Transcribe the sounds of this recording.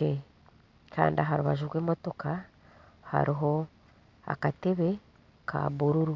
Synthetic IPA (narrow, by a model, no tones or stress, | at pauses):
e | kʰa̰ːndiaɦaɾuβa̰ʒuɾwe̞ːmo̞to̞ka | ha̰ɾiɦo̞ | a̰kateβe̞ | kʰa̰βuɾuɾu